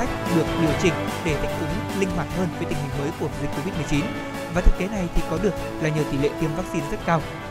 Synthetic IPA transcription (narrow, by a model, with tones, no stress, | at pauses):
a˦˥jk̟̚ɗɨ˨˩ək̚ɗi˧˩əwt͡ɕï˨˩ŋ̟ɗe˧˩t̪ʰa˦˥jk̟̚t̪ʊ˨˦ŋ͡mlï˧ŋ̟ɦwaː˨˩t̚həː˧nvəː˨˦jt̪ï˨˩ŋ̟ɦï˨˩ŋ̟məː˨˦jku˧˩əvi˨znko˧vi˦˥t̚mɨ˨˩t͡ɕi˨˦n | vaː˨˩t̪ʰɨ˦˥ke˨˦na˨˩jt̪ʰi˨˩kɔ˨˦ɗɨ˨˩ək̚laː˨˩ɲi˨˩əwt̪i˧˩lḛ˧˨t̪i˧əmvaː˦˥k̚si˧nzə˦˥t̚kaː˧w